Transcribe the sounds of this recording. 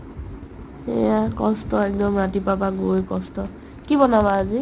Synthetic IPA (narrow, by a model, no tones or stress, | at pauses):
ejakɔstɔɛk̚dɔmɹatipapaɡojkɔstɔ | kibɔnabaːzi